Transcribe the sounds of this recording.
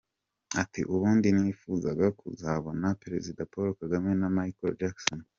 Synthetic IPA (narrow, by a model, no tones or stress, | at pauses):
atḭʔuβuːndiniːfuːzaɡakuzaβonapeɾe̞zidapoɾokaɡamenamajikold͡ʒakson